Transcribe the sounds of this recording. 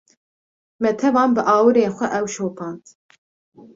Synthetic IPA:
mɛt̪ʰɛvɑːnbɨʔɑːwɨɾeːxʷɛʔɛwʃoːpʰɑːnt̪

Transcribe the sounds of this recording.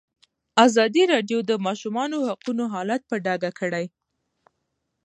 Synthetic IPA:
azɑd̪iɾɑɖjod̪əmɑʃumɑnohaqunoɦɑlat̪̚pəɖɑɡakʰəɽaj

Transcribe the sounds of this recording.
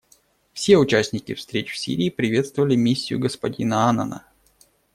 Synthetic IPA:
fsʲe̞ʊt͡ɕæsʲnʲɪkʲɪfst̪ɾʲet͡ɕfsʲḭɾʲɪːpɾʲɪvʲe̞t̪st̪vəvəlʲɪmʲisʲːɪjʊ̰ɡəspɐdʲinəanə̰nə̰

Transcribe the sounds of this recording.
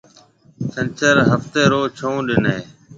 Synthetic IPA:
t͡ʃənt͡ʃəɾɦəft̪eːɾoːt͡ʃʰõːɗɪneː

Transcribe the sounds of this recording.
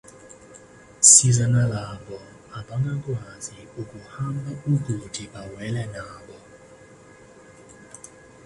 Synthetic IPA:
sizanalaɓɔ | aɓaŋɡak̬ʼwaziuk̬ʼuhambaʔukud̥ʰʱiɓawɛlɛnaːɓɔ

